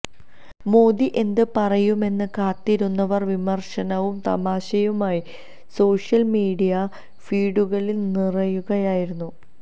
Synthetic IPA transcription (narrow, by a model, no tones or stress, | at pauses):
mo̞ːd̪iʔe̞nd̪ɨpɐrɐjume̞nːɨkaːt̪ːiɾunːɐʋɐrʋimɐrʂɐnɐʋumt̪ɐ̰maːɕɐjumaːji | so̞ːʂjɐlmiːɽijɐ | fiːɽuɣɐɭilnirɐjuɣɐjaːjiɾunːu